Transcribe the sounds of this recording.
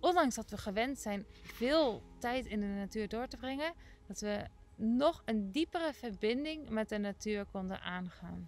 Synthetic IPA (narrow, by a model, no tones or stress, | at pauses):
ʔɔndɑŋsdɑtʋəχəʋɛntsɛjnvɪːlˠtɛjtɪndənatyːɹdoːɹtəbrɪŋə | d̥ɑtʋə | nɔχəndipərəvəɹbɪndɪŋmɛt̚dənatyːɹkɔndə̰nʔaːnχa̰ːn